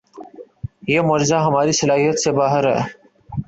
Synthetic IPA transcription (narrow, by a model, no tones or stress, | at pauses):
jeːmʊɾzaːɦəmaːɾiːsəlaːɦijət̪seːbaːɦəɾɦɛ̰ː